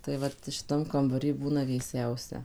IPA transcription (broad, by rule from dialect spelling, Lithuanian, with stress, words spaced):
tɐɪ ˈʋɐt ʃʲɪˈtɐm kɐmbɐˈrʲiː ˈbuːnɐ ʋʲeːˈsʲɛʊsʲɛ